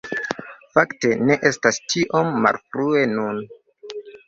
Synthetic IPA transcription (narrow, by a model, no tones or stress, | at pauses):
fakte̞ne̞ʔe̞stastiʔo̞mːa̰lfɾue̞nun